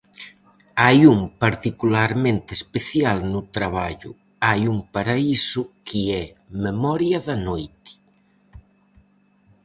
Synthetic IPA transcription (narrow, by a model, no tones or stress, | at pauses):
ajumpaɾt̪ikulaɾmẽnt̪espeθjalnʊt̪ɾaβ̞aʎʊ̰ | ajumpaɾaisʊkʰiɛmemɔɾjɐðanojt̪ɪ̥